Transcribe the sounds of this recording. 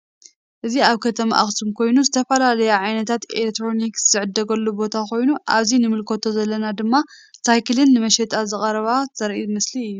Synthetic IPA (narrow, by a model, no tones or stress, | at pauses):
ʔɨziaβkʰɐt̪ʰɐma̰ʔa̰xsumkʰo̞jnuzɨt̪ʰɐfɐlalɐjaʕajnɐt̪ʰat̪ḛlkt̪ʰːɾo̞nikz̥ɨʕɨd̪ːɐɡɐlːubo̞t̪ʰakʰo̞jnuʔaβzinɨmɨlkʰot̪ʰo̞zɐlːɐnad̪ɨmːasajkʰɨlɨnːɨmɐʃet̪ʼazɨχʼɐɾɐβazɐɾʔimɨsliɨjːu